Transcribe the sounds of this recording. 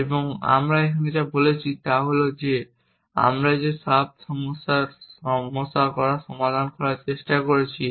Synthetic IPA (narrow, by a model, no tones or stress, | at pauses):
eboŋa̰mɾaekʰanetabolet͡ɕʰit̪aɦolod͡ʑe | a̰mɾad͡ʑeʃab̚ʃɔmosaɔmosakɔɾaʃɔmad̪ʱankɔɾaɾt͡ɕeʃʈakoɾet͡ɕʰi